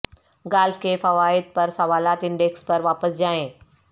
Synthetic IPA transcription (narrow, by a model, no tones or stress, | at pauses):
ɡaːlfkʰeːfɐʋaːɪd̪̚pɐɾsɐʋaːlaːt̪ɪ̃ɳɖeːkspɐɾʋaːpəsd͡ʑaːẽː